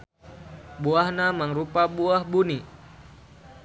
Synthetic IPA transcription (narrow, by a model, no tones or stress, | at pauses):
buahnaməŋɾupabuahbuni